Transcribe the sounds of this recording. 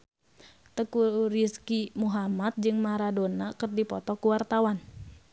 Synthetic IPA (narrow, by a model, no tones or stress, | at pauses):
t̪əkuɾiskimuɦamat̪̚d͡ʒɨŋmaɾadonakɨrdipɔ̰t̪ɔkuwart̪awan